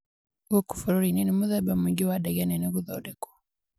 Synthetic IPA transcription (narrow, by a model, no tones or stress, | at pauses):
ɡuku̥fuɾuɾininimuðɛbamiɡiwadɛɣɛnɛnɛɣuðɔdɛkɔ̥